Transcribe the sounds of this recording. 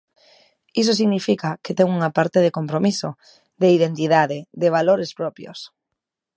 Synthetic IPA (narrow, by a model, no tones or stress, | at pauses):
isos̬iɣnifikaket̪ɛŋuŋapaɾt̪eðekompɾomiso | ðeið̞ent̪iðaðeðeβ̞aloɾespɾɔpjo̰s